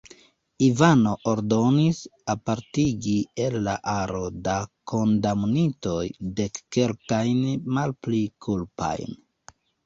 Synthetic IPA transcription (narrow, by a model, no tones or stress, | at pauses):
ivano̞ʔoɾdo̞nisapaɾtiɡielːaʔaɾo̞dakʰo̞ndamnito̞jde̞kːe̞lkajnmalplikʰulpa̰jn